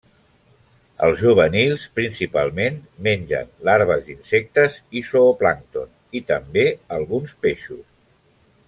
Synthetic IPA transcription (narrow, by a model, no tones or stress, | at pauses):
ə̰lˠzʒuβ̞ənilˠspɾinsipalˠmenmenʲʒə̰nlaɾβ̞əzd̪insɛk̚t̪əzisoːplaŋt̪on | it̪əmbeəlˠɣunspeʃus